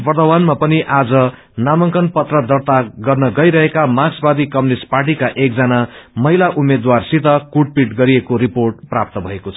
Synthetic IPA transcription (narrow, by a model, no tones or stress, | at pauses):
bʌrd̪ʌwanmapʌniʔad͡zʌ | namʌŋkʌnpʌt̪rʌd̪ʌrt̪aɡʌrnʌɡʌjɾʌɦekamasbad̪ikʌmnisparʈ̬ikaʔek̚d͡zʌnamʌɦilaʔumed̪warsit̪ʌkuʈ̚piʈɡʌɾiekoɾiporʈ̚prap̚t̪ʌbʱʌekot͡sʰ